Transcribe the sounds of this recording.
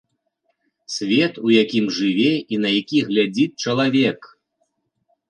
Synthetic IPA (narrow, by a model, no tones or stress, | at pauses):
sʲvʲɛt̪ujakʲimʐɨvʲɛinɐjakʲiɣlʲad͡zʲit͡ʂɐlˠavʲɛk